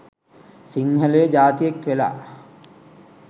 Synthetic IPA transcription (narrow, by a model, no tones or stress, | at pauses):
siŋɦəlejəd͡ʒaːt̪ijekʋela̰ː